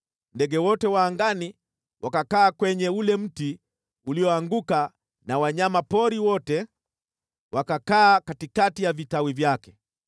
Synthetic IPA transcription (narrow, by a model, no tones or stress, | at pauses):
ndɛɡɛwɔtɛwaːŋɡani | wʔakakaːkwɛɲɛulɛm̩ti | uliɔaŋɡuka | nawaɲamapɔɾiwɔtɛ | wʔakakaːkatikatijavitawivjakɛ̥